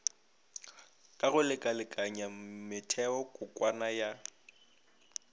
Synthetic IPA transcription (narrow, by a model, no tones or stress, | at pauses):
kʼaɣʊlɪkʼalɪkʼaɲamɪtʰɛɔkʼʊkʼwanaja